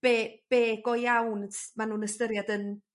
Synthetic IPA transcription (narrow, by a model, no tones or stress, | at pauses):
b̥eb̥eːɡɔjawntʰmanuːnəstəɾjadən